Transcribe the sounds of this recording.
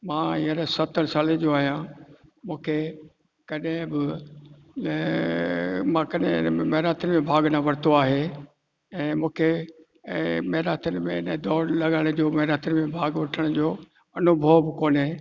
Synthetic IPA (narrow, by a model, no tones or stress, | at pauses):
mãːɪəɾesɐt̪əɾsaːled͡ʑoaːɦijãmũːkʰe | kɐɗɦɪ̃bɪ | mãkɐɗɦɪ̰̃mɐɦɾaːt̪ʰɪnɪmẽbʱaːɡnaʋɐɾt̪oaːɦe | ɛ̃ːmũːkʰe | mɐɦɾaːt̪ʰənɪ̆mẽɪnə̃d̪ɔːɾlɐɠəɽ̃d͡ʑoːmɐɦɾaːt̪ʰɪnmẽbʱaːɡʋɐʈʰəɽ̃d͡ʑoː | ɐnʊbʱəʋbɪkoːnẽ